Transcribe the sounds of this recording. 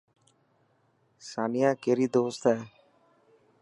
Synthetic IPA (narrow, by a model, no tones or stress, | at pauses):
saːnɪjãːkeːɾiːd̪oːst̪ɦɛː